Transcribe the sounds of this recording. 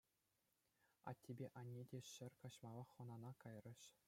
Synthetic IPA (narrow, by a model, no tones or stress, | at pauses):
ɑ̰tʲːebʲeʔɑnʲːedʲeɕɘ̆rʲkɑɕmɑlˠɑχɤ̆nɑnɑkɑjrɤ̆ɕ